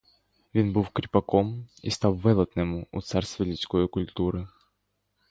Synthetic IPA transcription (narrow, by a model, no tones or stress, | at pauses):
vʲinbɨfkɾʲɪpɐkomḭst̪awvɛlˠɐt̪nɨmʊʊ̰t̪sarst̪vʲɪlʲɪsʲkojkʊlʲt̪uɾɨ